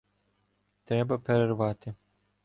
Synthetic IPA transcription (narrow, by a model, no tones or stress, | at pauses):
t̪ɾʲɛbɐpeɾervat̪ɪ